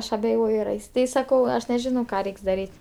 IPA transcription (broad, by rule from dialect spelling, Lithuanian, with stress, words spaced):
ˈɐʃ ɐbʲɛˈjoːjʊ ɐr ˈɐɪs tɐɪ sɐˈkɐʊ ˈɐʃ nʲɛˈʒʲɪnɐʊ ˈkɑː ˈrʲɛɪks dɐˈrʲiːtʲ